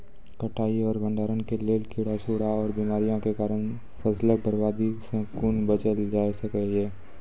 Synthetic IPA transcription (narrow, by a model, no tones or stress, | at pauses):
kəʈʰaːiɔːɾbə̃ɳɖaːɾənkeleːlkʰɪɽasuːɽaɔːɾbimaːɾijõkekaːɾən | fʰəslebəɾbaːd̪isẽkuːnbət͡ʃəld͡ʒaːesəkəeː